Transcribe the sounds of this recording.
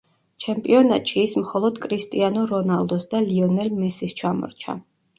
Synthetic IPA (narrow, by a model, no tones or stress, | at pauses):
t͡ʃʰɛmpʼiɔnat̪ʼʃiːsmχɔlˠɔd̪kʼɾist̪ʼianɔɾɔnalˠd̪ɔsd̪aliɔnɛlmɛsist͡ʃʰamɔ̰ɾt͡ʃʰa̰